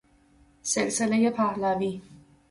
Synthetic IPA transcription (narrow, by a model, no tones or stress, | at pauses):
selselejepʰæhlæːviː